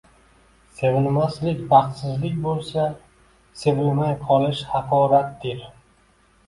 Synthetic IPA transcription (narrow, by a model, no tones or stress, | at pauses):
se̞vɪnmaslɪkʲbɑqt̪sɪzlɪkʲbolˠsa | se̞vɪlmajqʰɒlɪʃhɑqʰɒɾat̪̚d̪eɾ